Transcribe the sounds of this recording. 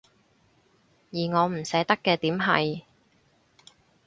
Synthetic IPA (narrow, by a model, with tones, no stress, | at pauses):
jiː˨˩ŋɔː˨˧m̩˨˩sɛː˨˥t̪ɐ˥kːɛː˧t̪iː˨˥mɦɐ̰˨j